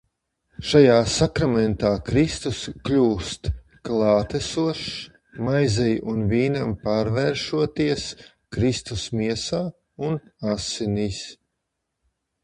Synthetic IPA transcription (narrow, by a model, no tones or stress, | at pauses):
ʃajaːsakɾamɛnt̪aːkɾist̪usklʲuːst̪ | klˠɑːt̪ɛsuɔʃ | majzɛjunviːnampaːɾvɛːɾʃuɔt̪iɛs | kɾist̪usmiɛsaː | unasinis